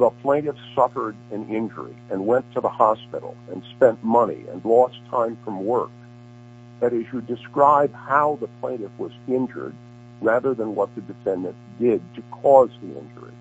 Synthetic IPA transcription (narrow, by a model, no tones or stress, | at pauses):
əpʰl̥ẽɪ̃ɾɨfsʌfə˞ɾɨ̃nɪ̃nd͡ʒə̰˞ḭɨ̃nwɛ̃ntʰəðəhɑspɪ̰ɾl̩ˠɨ̃nspɛ̃nʔmʌnḭɨ̰̃nlɔstʰãɪ̃ɱfɹʌ̃mwɜ˞k̚ | ðɨɾɨtʃɨdɨskɹaɪb̥̚haʊðəpʰl̥ẽɪ̃ɾɨfwʌzɪ̃nd͡ʒə̰˞d̚ | ɹæðə˞ðə̃nwʌt̪̚ðɨdɨfɛ̃ndɨ̃nd̥ɪd̚tʰɨkʰɔzðiɪ̰̃nd͡ʒə̰˞ḭ